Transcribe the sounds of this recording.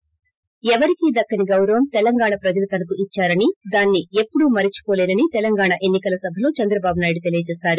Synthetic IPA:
ɛʋɐɾikid̪ɐkːɐniɡɐwɾɐʋɐmt̪ɛlɐŋɡaːɳɐpɾɐd͡ʒɐlut̪ɐnɐkuit͡ʃːaːɾɐnid̪aːnːie̞pːuɽumɐɾit͡ʃu̥koːleːd̪ɐnit̪ɛlɐŋɡaːɳɐʔe̞nːikɐlɐsɐbʱɐlo̞ːt͡ʃɐnd̪ɾɐbaːbunaːjɽut̪e̞lijɐd͡ʒɛːsaːɾu

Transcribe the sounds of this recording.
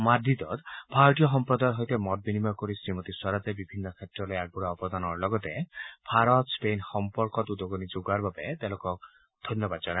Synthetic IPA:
mad̪it̪ɔt̪bʱaɾɔʈijɔɦɔmpɾɔd̪ajɔɦojt̪emɔt̪̚binimajɔkoɾisɾimɔt̪iswaɾat̪ebibʱinːɔkʰet̪ɾɔlɔjaɡ̚buɾaɔpɔd̪ʱanɔɾlɔɡɔt̪ebʱaɾɔt̪spejnxɔmpɔɾkɔt̪ud̪ɔɡɔnid͡ʒoɡaɾbʱabet̪elokɔk | d̪̥ʱɔnjɔbad̪d͡ʒɔna

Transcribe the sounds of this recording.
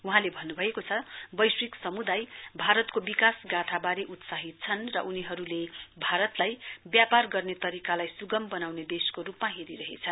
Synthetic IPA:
uɦãlebʱʌnːubʱʌekot͡sʰʌbʌjsriksʌmud̪ajbʱaɾʌt̪kobikasɡaʈʰabaɾeʔut̪saɦit̪̚t͡sʰʌnrʌ̰ʔuniɦʌɾulebʱaɾʌt̪lajbjaparɡʌrnet̪ʌɾikalajsuɡʌmbʌnawned̪eskoɾupmaɦeɾiɾʌɦet͡sʰʌn

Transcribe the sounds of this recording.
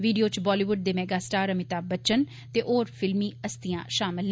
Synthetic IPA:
ʋiːɖijoːt͡ʃbɔːliːʋʊɖ̚d̪eːmɛːɡaːsʈaːɾəmɪt̪aːbət͡ʃən | t̪eːʔoːɾpʰɪlmiːəst̪ɪjãːʃaːmɪl

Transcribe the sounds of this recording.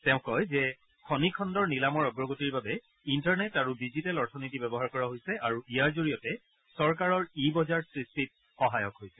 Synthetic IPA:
tɛʊ̃kːɔjzɛ | kʰɔnikʰɔndɔɹnilamɔɹɔɡɹɔɡotiɹbabɛ | intaɹnɛtaɹudizitɛlɔɹtʰɔnitibɛbɔɦaɹkɔɹaɦojsɛʔaɹuʔijaɹzoɹijɔtɛ | sɔɹkaɹɔɹibɔzaɹsɹistit̚ | xɔɦajɔkɦojsɛ̥

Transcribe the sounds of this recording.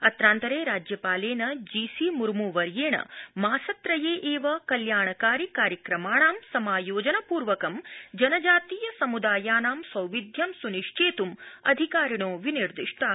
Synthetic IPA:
ɐt̪ɾaːnt̪ɐɾeːɾaːd͡ʒjɐpaːleːnɐd͡ʒiːsiːmuɾmuʋɐɾjeːɳɐ̰maːsɐt̪ɾɐjeːʔeːʋɐkɐljaːɳɐkaːɾikaːɾjɐkɾɐmaːɳaːmsɐmaːjoːd͡ʒɐnɐpuːɾʋɐkɐmd͡ʒɐnɐd͡ʒaːt̪iːjɐsɐmud̪aːjaːnaːmsʋɐwʋid̪ʱjɐmsuniʂt͡ʃeːt̪umɐ̰d̪ʱikaːɾiɳ̃oːʋiniɾd̪iʂʈʰɐ

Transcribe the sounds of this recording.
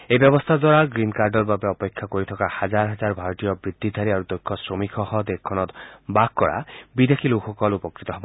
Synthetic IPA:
ebjɔbɔst̪ʰad̪waɾaɡɾinkaɾɖɔɾbabeɔpekʰːakoɾit̪ʰɔkahad͡ʒaɾɦad͡ʒaɾbʱaɾɔt̪ijɔbɾid̪ʱːid̪ʱaɾiaɾud̪ɔjkʰːɔsɾomikʰɔhɔd̪ekʰːɔnɔt̪bakːɔɽa̰bid̪ʱekʰiluxɔkɔlupɔkɾit̪ɔɦɔbɔ

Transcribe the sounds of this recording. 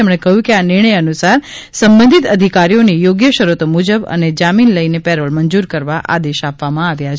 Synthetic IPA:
emɽ̃ekəɦjũkeanɪɾɳ̃əjənusaɾ | səmbə̃nd̪ʱit̪əd̪ʱikaɾijonijoɡjəʃəɾut̪omud͡ʒəbə̰ned͡ʒaminləinepɛɾəlmənd͡ʒuɾkəɾʋaʔa̰d̪eʃapʋamãaʋjat͡ʃʰ

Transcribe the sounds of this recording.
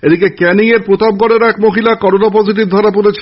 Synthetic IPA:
ed̪ikekɛnieɾpɾot̪ab̚ɡɔɽeɾɛkmoɦilakɔɾonap̬ɔziʈ̬ibd̪ʱaɾapuɾet͡ɕʰ

